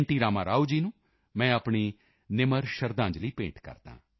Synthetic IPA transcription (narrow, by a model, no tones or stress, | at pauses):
ɳʈiːɾaːmãːɾaːud͡ʒiːnũː | mɛ̃ːəpɳiː | nɪməɾʃəɾd̪ãːɲd͡ʒliːpẽːɳʈkə̰ɾt̪ã̰ː